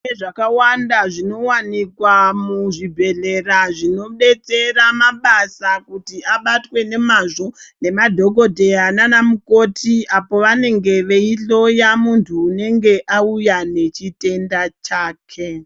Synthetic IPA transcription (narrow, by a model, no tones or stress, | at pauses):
eʐakawandaʐino̞wanikwamuʐibʱe̞ɮe̞raʐino̞ɓe̞t͡se̞ramaɓasakutiaɓatwe̞ne̞maʐo̞ne̞madʱo̞ɡʱo̞dʱe̞ananamukotʰiapo̞ʋane̞ŋɡe̞ʋe̞iɬo̞jamuntʰuːne̞ŋɡe̞ʔaujane̞t͡ʃite̞ndat͡ʃaːkʰe̞